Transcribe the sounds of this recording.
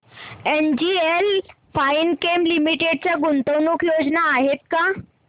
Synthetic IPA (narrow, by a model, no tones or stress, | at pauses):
end͡ʑiel | fainkemlimiʈeɖ̚t͡ɕjaɡunt̪əwnukjod͡ʑnaːɦet̪̚ka